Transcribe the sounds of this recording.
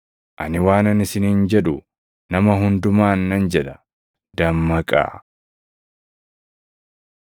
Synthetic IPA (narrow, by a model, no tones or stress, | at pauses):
ʔɐnɪwaːnɐnɪsɪnɪnd͡ʒɛᶑʊ | nɐmɐɦʊnd̪ʊmaːnːɐnd͡ʒɛᶑɐ̥ | d̪̥ɐmːɐkʼa̰ː